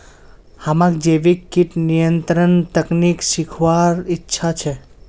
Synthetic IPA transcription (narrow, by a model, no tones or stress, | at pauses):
hamãkd͡ʒeʋikiʈnijənt̪ɾənt̪əknikʃikʰʋaɾitːʃʰat͡ʃʰe